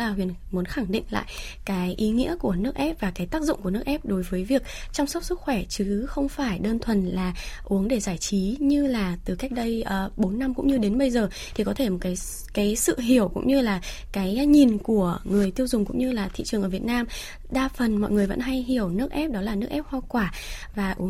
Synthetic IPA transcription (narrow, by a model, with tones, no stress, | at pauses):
laː˨˩ɦwḭ˧˨ənmu˨˦ənxa˧˩ŋɗḭ˧˨ŋ̟la̰ː˧˨j | kaː˨˦jʔi˨˦ŋḭ˧˥əku˧˩ənɨ˦˥ək̚ʔɛ˦˥p̚vaː˨˩kaː˨˦jt̪aː˦˥k̚zʊ̰˧˨ŋ͡mku˧˩ənɨ˦˥k̚ʔɛ˦˥p̚ɗo˨˦jvəː˨˦jvi˨˩ək̚t͡ɕɔ˧wŋ͡msə˦˥t̚sɨ˦˥k̚xwɛ˧˩t͡ɕɨ˨˦xə˧wŋ͡mfaː˧˩jɗəː˧nt̪ʰwə˨˩nlaː˨˩ʔu˨˦əŋɗe˧˩zaː˧˩jt͡ɕi˨˦ɲɨ˧laː˨˩t̪ɨ˨˩ka˦˥jk̟̚ɗə˧jʔəː˨˩ɓo˨˦nːa˧mkʊ̰˧˥ŋ͡mɲɨ˧ɗe˨˦nɓə˧jzəː˨˩ | t̪ʰi˨˩kɔ˨˦t̪ʰe˧˩mo˨˩t̚kaː˨˦j | kaː˨˦jsɨ̰˧˨ɦi˧˩əwkʊ̰˧˥ŋ͡mɲɨ˧laː˨˩ | kaː˨˦jɲi˨˩nku˧˩əŋɨ˨˩əjt̪i˧əwzʊ˨˩ŋ͡mkʊ̰˧˥ŋ͡mɲɨ˧laː˨˩t̪ʰḭ˧˨t͡ɕɨ˨˩əŋʔəː˧˩vi˨˩ət̚naː˧m | ɗaː˧fə˨˩nmɔ̰˧˨jŋɨ˨˩əjvə̰˧˥nɦa˧jɦi˧˩əwnɨ˦˥ək̚ʔɛ˦˥p̚ɗɔ˨˦laː˨˩nɨ˦˥ək̚ʔɛ˦˥p̚hwaː˧kwaː˧˩ | vaː˨˩ʔu˨˦əŋ